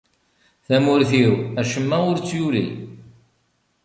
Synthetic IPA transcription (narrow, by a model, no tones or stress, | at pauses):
θæmʊɾθiwæʃəmːæʊɾt͡sːjulḭ